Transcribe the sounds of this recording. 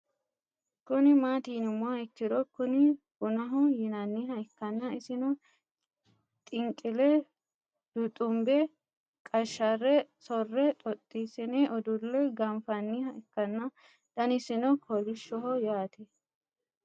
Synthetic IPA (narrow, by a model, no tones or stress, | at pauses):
kʊnɪmaːt̪iːnɪmʊɐɪkːɪd̪ɔkːʊnɪhʊnɐɦɔjɪnɐnːiɦɐɪkːɐnːɐɪsɪnɔ | t̪ʼɪŋkʼɪlɛ | d̪̥ʊt̪ʼʊmbɛ | kʼɐʃːɐrːɛsɔrːɛt̪ʼɔt̪ʼːiːsɪnɛʔɔd̪ʊlːɛɡɐmfɐnːiɦɐʔɛkːɐnːɐ | t̪ɐnɪsɪnɔkʰɔlɪʃːɔɦɔjaːt̪ʰɛ